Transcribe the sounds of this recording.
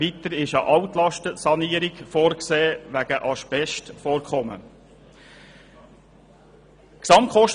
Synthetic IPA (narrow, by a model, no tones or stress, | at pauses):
it̪əɾɪʃɑʔɑwt̪lɑʃtəsɑniːəɾikfoːɾkseːʋæɡəʔɑʃpɛʃtfoːɾkʰχɔmə̰ | ksɑmtkʰχɔʃ